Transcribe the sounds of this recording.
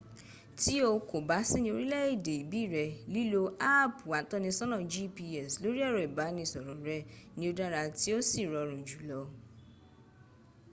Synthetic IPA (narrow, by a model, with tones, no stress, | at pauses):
ti˦o˧ko˨ba˨˦sĩ˦nĩ˧o˧ɾi˦lɛ˦i˦˨de˨i˨bi˨˦˨ɾɛ˧li˦lo˧a˦˨pu˨wa˨˦tɔ˦nĩ˧sɔ̃˦nɔ̃˦˨d͡ʒi˦pi˧ɛ˨slo˨˦ɾi˦ɛ˦˨ɾɔ˨i˨ba˨˦nĩ˧˦˨sɔ˨ɾɔ̃˨ɾɛ˦nĩ˧˦o˧da˦ɾa˧ti˦o˦si˦˨ɾɔ˧ɾ̃ũ˨d͡ʒu˨˦lɔ˨˧˦